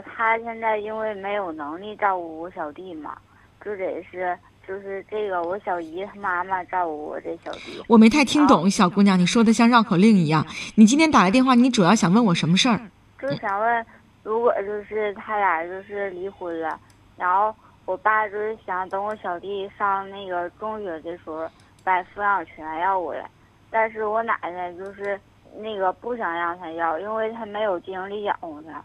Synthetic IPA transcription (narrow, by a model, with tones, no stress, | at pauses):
t̪ʰa˥ɕjɛ˥˧nt͡sa˥˩ɪi˥nwe˥˩ɪme˧˥ɪjo˨˩ʊnɤ˧˥ŋli˥˧ʈ͡ʂɑ˥˧ʊu˥˩wɔ˧˥ɕjɑ˨˩ʊt̪i˥˩mɐ̰˩ | t͡ɕjo˥˧ʊʂjɛ̰˨˩ʂɻ̩˥˧ | t͡ɕjo˥˧ʊʂɻ̩˥˧ʈ͡ʂɤ˥˩ɡə˩wɔ˧˥ɕjɑ˨˩ʊi˧˥t̪ʰa˥ma˥mə˨ʈ͡ʂɑ˥˩ʊu˥˩wɔ̰˨˩ʈ͡ʂɤ˥˩ɡə˩ɕjɑ˨˩ti˥˧wɔ˨˩me˧˥ɪt̪ʰɪt̪ʰi˥ŋt̪ʊ˨˩˦ŋ˥˩ɕjɑ˨˩ku˥njɑ˥˩ni˨˩ʂwɔ˥d̪ə˨˧ɕ̬jɑ˥˧ŋɻɑ˥˩ʊkʰo˨˩ʊli˥˩ŋi˧˥jɑ˥˩ŋni˨˩t͡ɕi˥nt̪ʰjɛ˥nt̪a˨˩lt̪jɛ˥˧nxwa˥˩ni˧˥ʈ͡ʂu˨˩jɑ˥˩ʊɕjɑ˨˩ŋwə˥˩nwɔ˨˩ʂə˧˥nmə˧ʂə˥˩ | t͡ɕjo˥˩˥ɕjɑ˨˩ŋwə˥˩n | ɻu˧˥kwɔ˨˩t͡ɕjo˥˧ʊʂɻ̩˥˩t̪ʰa˥la˧˥˩ɪt͡ɕjo˥˧ʊʂɻ̩˥˩li˧˥xu˧˥nlə˧ | ɻa˧˥nxo˥˩ʊ | wɔ˨˩pa˥˧˩t͡ɕjo˥˧ʊʂɻ̩˥˩ɕjɑ˨˧˩ŋt̪ɤ˧˥ŋwɔ˧˥ɕjɑ˨˩ʊt̪i˥˩ʂɑ˥˧ŋna˥˩ɪɡə˩ʈ͡ʂʊ˥ŋɕɥɛ˧˩˥t͡ɕə˧˥˩ʂwɔ˧˥ | pa˥˩ɪfu˧˥˧jɑ˥˩ŋ˨˩t͡ɕʰɛ˧˥na˧˥ɪjɑ˥˩ʊwɔ̰˨˩la̰˧˦ | t̪a˥˧nʂɻ̩˥˩wɔ˧˥na̰˨˩d̪ə˧˦t͡ɕjo˥˧ʊʂɻ̩˥˧ | na˥˩ɡə˩pu˥˩ɕ̬jɑ˨˩ŋjɑ˥˩ŋsʰa˧jɑ˥˩ʊi˥nwe˥˩ɪt̪ʰa˥me˧˥ɪjo˨˩ʊt͡ɕi˥˧nə˧˥ŋli˥˩jɑ̰˨˩ʊ˧˩t͡ɕʰɛ̰˧˥n